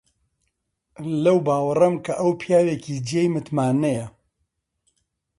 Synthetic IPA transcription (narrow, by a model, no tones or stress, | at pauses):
lɐwbaːwɐrɐmkʰɐʔɐwpʰijaːweːkiːd͡ʒiejmɨt̪maːnɐjɐ